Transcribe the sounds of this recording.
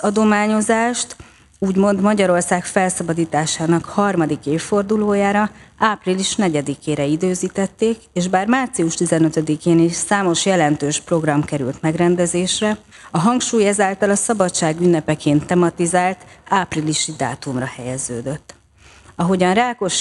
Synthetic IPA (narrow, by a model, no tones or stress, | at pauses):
ɒd̪o̞maːɲo̞zaːʃt̪ | uːɟmo̞nd̪mɒɟɒɾo̞rsaːkfɛlsɒbɒd̪iːt̪aːʃaːnɒkhɒrmɒd̪ikeːfːo̞rd̪uloːjaːɾɒaːpriliʃnɛɟɛd̪ikeːɾɛid̪øːziːt̪ɛt̪ːeːkeːʒbaːrmaːrt̪siuʃt̪izɛnøt̪ɛd̪ikeːniʃsaːmo̞ʃjɛlɛnt̪øːʃpro̞ɡrɒmkɛɾy̰lt̪mɛɡrɛnd̪ɛzeːʃrɛ | ɒɦɒŋkʃuːjɛzaːlt̪ɒlɒsɒbɒtt͡ʃaːɡynːɛpɛkeːnt̪ːɛmɒt̪izaːlt̪aːpriliʃid̪a̰ːt̪umrɒhɛjɛzøːd̪øt̪ː | ɒɦo̞ɟɒnraːko̞ʃ